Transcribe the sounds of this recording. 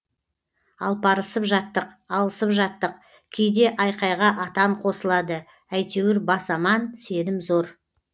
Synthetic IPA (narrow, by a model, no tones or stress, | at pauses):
ɑ̰lˠpʰɑɾəsəpʒɑt̪ːəq | ɑlˠəsəpʒɑt̪ːəq | kʲʰejd̪e̞ʔɑjqɑjʁɑʔɑt̪ɑɴqʰo̞səlˠɑd̪ə | æjt̪e̞wɪɾbɑsɑmɑnse̞nɪmzo̞ɾ